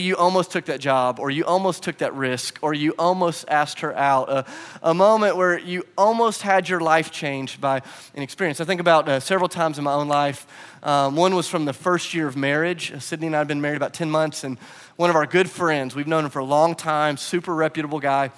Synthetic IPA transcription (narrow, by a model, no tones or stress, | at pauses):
jɨʔɔlˠmoʊstʰʊk̚ðɨt̚d̥ʒ̥ɑbə˞jɨʔɔlˠmoʊstʰʊk̚ðɨ̰ʔ̚ɹɪskʰə˞jɨʔɔlˠmoʊstæst̚hə˞ʔaʊɾəʔəmõʊ̃mɨ̃nʔwə˞jɨɔlˠmoʊst̚hɨd͡ʒə˞laɪft͡ʃʰẽɪ̃nd͡ʒbaɪ | ʔɨ̃ñɨkspɪɹiɨ̃nsaɪθɪ̃ŋkəbaʊt̚sɛvɹl̩ˠtʰãɪ̃mzɨ̃nmaɪõʊ̃nlaɪf | ʔʌwʌ̃nwʌz̥fɹʌ̃mðəfɜ˞st̚jɪɹʌvmɛɹɪd͡ʒsɪdⁿnĩnaɪɨvbɨ̃nmɛɹiɾɨbaʊtʰɛ̃nmʌ̃nθsɨ̃n | wʌ̃nʌvaʊə˞ɡʊd̥fɹɛ̃ndzwivnõʊ̃nmfə˞əlɔ̃ŋtʰãɪ̃msʉpə˞ɹɛpjɨɾəbl̩ˠɡaɪ